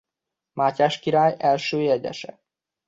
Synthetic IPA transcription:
maːcaːʃkiɾaːjɛlʃøːjɛɟɛ̰ʃɛ̰

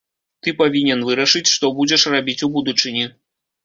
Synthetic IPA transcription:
t̪ɨpavʲinʲɛnvɨɾɐʂɨt͡sʲʂt̪ɔbud͡zʲɛʂrabʲit͡sʲubud̪ut͡ʂɨnʲi

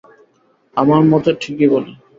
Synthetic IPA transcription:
amaɾmɔt̪oʈʰikibole

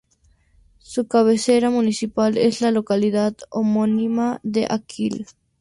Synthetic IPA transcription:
sukaβ̞eseɾamunisipalezlalokaliðat̪omonimaðḛʔakʰil

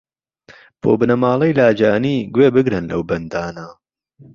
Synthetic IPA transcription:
bʰoːbɨnɐmaːlˠɐjlaːd͡ʒaːniːɡweːbɨɡɾɨnlɐ̰wbɐnd̪aːnɐ

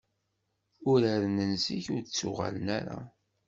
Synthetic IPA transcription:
ʊɾæɾnənsiçʊɾt͡sːʊʁa̰lənæɾa̰

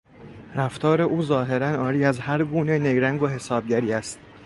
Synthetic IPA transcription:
ɾæft̪ʰɒːɾe̞ʔuːzɒːɦe̞ɾænɒːɾiːæzhæɾɡuːnene̞ɡɾæŋɡoɦe̞sɒːb̚ɟæɾiːæst̪

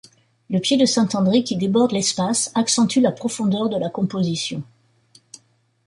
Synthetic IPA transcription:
ləpjed̪əsɛ̃t̪ɑ̃d̪ʁikʲid̪ebɔʁd̪lɛspasaksɑ̃t̪ylapχɔfɔ̃d̪œʁd̪əlakɔ̃pozisjɔ̃

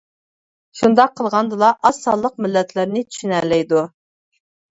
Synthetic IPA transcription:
ʃund̪ɑqʰːəlˠʁɑnd̪ɨlˠɑʔɑsːɑlˠːəqmɪlːɛt̪ʰlɪɾnɪt̪ʰy̥ʃynɛlɛjd̪u

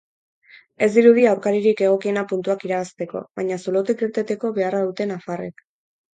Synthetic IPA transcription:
e̞zd̪iɾuð̞iawɾkaɾiɾike̞ɣ̞o̞kie̞napunt̪uakiɾaβast̪e̞ko̞̰βaɲasolot̪ikiɾt̪e̞t̪e̞ko̞βe̞araðut̪e̞nafarḛk

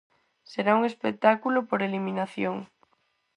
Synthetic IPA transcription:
seɾauŋespek̚t̪akulopoɾeliminaθjoŋ

